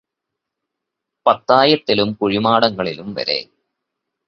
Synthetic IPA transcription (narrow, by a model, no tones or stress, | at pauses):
pɐt̪ːaːjɐt̪ːilumkuɻimaːɽɐŋːɐɭilumʋɐ̰ɾe̞̰